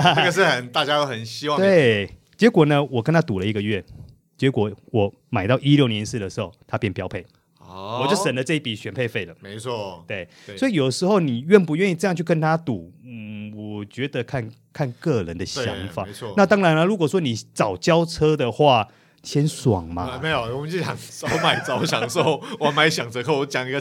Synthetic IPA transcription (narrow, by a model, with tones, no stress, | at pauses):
ə˥˧˨ɡə˨˩ʂɻ̩˥˨xə˨˦nt̪a˥˩t͡ɕja˦t̪o˥ʊxə˨˩nɕi˥wɑ˥˨t̪we˥˨ɪ | t͡ɕjɛ˧˥kwɔ˨˩nə˦wɔ˨˩kə˥nt̪ʰa˥t̪u˨lə˦i˧˥ɡə˧ɥɛ˥˨ | t͡ɕjɛ˧˥kwɔ˨˩wɔ˨˩˦ | ma˨˩ɪt̪ɑ˥˩ʊʔi˦ljo˥˩ʊnjɛ˧˦nsɹ̩˥˩d̪ə˩ʂɻ̩˧˥xo˥˩ʊt̪ʰa˦˥pjɛ˥˩npjɑ˥ʊpʰe˥˩ɪ | wɔ˨˩jo˥˩ʊsə˨˩ndə˦t͡sɤ˥˧i˥˩pi˨˩ɕɥɛ˨˩npʰe˥˧ɪfe˥ɪlə˩me˧˦ɔ˥˩t̪we˥˩ɪ | wɔ˧˥i˨jo˨˩ʊə˦ʂɻ̩˧˥xo˥˩ʊni˨˩ɥɛ˥˩npu˧˦ɥɛ˥˧ni˥˩ʈ͡ʂɤ˥˧jɑ˥˧ŋt͡ɕʰy˥˩kə˥nt̪ʰa˦t̪u˨˩˦wɔ˨˩t͡ɕɥɛ˨˧˥d̪ə˨kʰa˥˨n | kʰa˥˧nkɤ˥˨ɻə˨˦nd̪ə˨ɕja̰˧˦ŋfa˨˦˧na˥˨t̪ɑ˥ŋɻa˧˦nə˧ɻu˧˥kwɔ˨˩swɔ˥ni˨˩t͡sɑ˨˩ʊt͡ɕjɑ˥ʊt͡sʰɤ˥d̪ə˨xwa˥˩˨ | ɕjɛ˦˥nswɑ̰˨˩ŋma̰˨me˧˥ɪjo˨˩wɔ˨˩mə˦nt͡ɕo˥˩ɕɑ˨˩ŋso˦˥ʊma˨˩ɪt͡sɑ˨˦ʊwɔ˨˦ɕjɑ̰˨˩s̩˥o˥˩wma˧˥ɪɕjɑ˨˩ŋt͡sʰə˧kʰo˥˩wɔ˧˥t͡ɕjɑ˨˩ŋi˦ɡə˨